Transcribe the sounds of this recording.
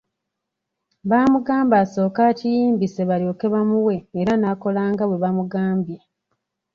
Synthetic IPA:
βaːmuɡaːmbaːso̞ːkacijiːmbise̞βalio̞ːke̞βamuwe̞ːɾanaːko̞laːŋɡaβwe̞βamuɡaːmbje

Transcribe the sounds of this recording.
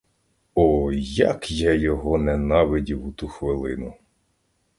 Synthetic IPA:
ɔjɐ̰kjɛjɔɦɔnenɑʋɪdʲiwut̪uxʋɪlˠɪnʊ

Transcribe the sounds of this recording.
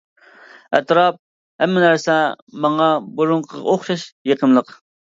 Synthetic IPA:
ɛ̰t̪ɾɑp̚ | hɛmːɪnæɾsɛmɑŋɑbuɾʊɴqʰəʁɑ̰oχʃɑʃjeqʰəmlˠəq

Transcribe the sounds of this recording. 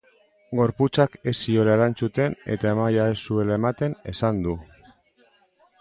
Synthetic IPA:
ɡo̞ɾput͡sake̞sio̞laeɾant͡sut̪e̞ne̞̰t̪aemajaesue̞lae̞mat̪e̞ne̞sand̪u

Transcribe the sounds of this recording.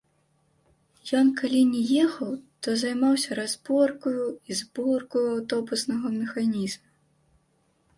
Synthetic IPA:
jɔnkalʲinʲɛjɛxɐwt̪ɔzajmawsʲɐɾazbɔrkujuizbɔrkujuawt̪ɔbusnɐɣɐmʲɛxanʲizmu

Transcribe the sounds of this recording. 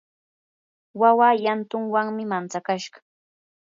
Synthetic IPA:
wawaːjant̪ʊŋwaŋmɪmant͡sakaʃɢɑ̥

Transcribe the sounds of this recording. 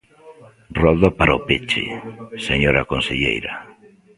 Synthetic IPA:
rɔðopaɾaopet͡ʃḛseɲoɾakonseʎḛjɾa

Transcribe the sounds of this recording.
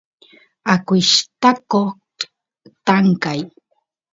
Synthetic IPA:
akʷɪʃt̪ako | t̪aŋkaj

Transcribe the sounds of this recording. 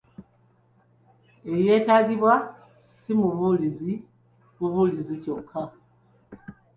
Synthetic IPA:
e̞ɾje̞ːtaɡiβwa | simuβulizi | βuβulizico̞kʰːa

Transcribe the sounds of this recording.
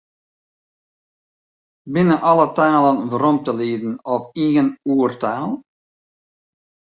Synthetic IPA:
bɪnəʔɑlətaːlənvərɔmtəlidənɔpiɣənuːərtaːlˠ

